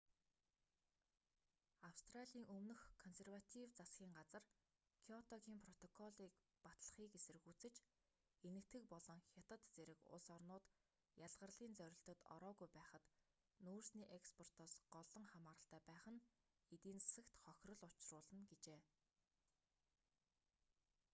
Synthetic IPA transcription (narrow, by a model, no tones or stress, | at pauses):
awst̪raɮʲiːŋɵmnɵ̆xkʰɔnserwat̪ʰiwt͡sasɡʲiːŋɢat͡sə̆r | kʰiɔt̪ɔɣiːŋpʰrɔt̪ɔkʰɔɮiːk | pat̪ɮə̆χiːkesɘ̆rɘ̆xut͡sɘ̆t͡ɕ | enɘ̆kt̪ɡɘ̆k̚pɔɮɞ̆ŋxʲat̪ə̆t̪t͡seɾɘ̆kʊ̰ɮsɔrnʊːt̪ | jaɮʁə̆rɮiːnt͡sœɾʲɪ̆ɬt̪ɵ̆t̪ɔ̰ɾɔːɣujpæːχə̆t̪ | nuːrsniːʔekspʰɔr̥t̪ɔːsɢɔɮɞ̆ŋχamaːɾə̆ɬt̪æːpæːχə̆n | et̪iːnt͡ssə̆kt̪χɔxʲrɞ̆ɮʊt͡ɕrʊːɮə̆nɡet͡ɕeː